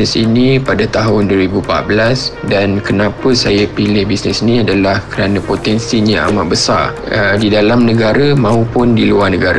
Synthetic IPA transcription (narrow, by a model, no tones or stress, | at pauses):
əsḭnipadat̪aɦʊnduəɾibupa̰t̪̚bəlasdankənãpəsajapilɪhbisnɛsinĩadalahkəɾanãpot̪ɛnsiɲaa̰maʔbəsa̰r | didalamnə̃ɡaɾamãupʊndiluarnəɡaɾa